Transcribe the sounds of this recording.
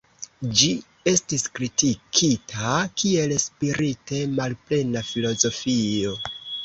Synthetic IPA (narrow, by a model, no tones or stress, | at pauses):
d͡ʒi | e̞stiskɾitikʰitʰakie̞lspiɾʔite̞malple̞nafilo̞zo̞fio̞